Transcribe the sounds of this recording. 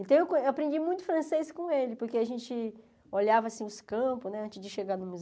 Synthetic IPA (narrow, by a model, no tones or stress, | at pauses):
ẽt̪ɐ̃w̃ewkõewapɾẽnd͡ʒimũj̃t̪ʊ̥fɾɐ̃sejskõelɪpoɾkeaʒẽnt͡ʃɪ | oʎavɐaːsĩʊskɐ̃pʊznɛɐ̃nt͡ʃɪzd͡ʒɪʃeɡaɾnʊ̃muz